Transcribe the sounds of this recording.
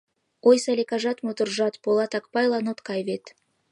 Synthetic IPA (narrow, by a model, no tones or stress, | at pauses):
ojsɑlʲekɑʒɑt̪mot̪urʒɑt̪bolˠɑt̪ɑk̚pɑjlˠɑnot̪kɑjvet̪